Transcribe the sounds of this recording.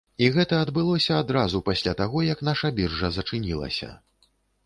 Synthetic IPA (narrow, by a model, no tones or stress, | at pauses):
iɣɛt̪ɐɐd̪bɨlˠɔsʲɐad̪ɾazupasʲlʲat̪aɣɔjɐkn̪aʂɐbʲirʐɐzɐt͡ʂɨnʲilˠɐ̰sʲɐ̰